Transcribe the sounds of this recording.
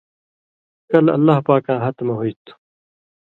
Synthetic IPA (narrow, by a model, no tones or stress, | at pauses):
kɐlɐ̰lːaːɦpaːkãːɦɐt̪mɐɦoit̪u̥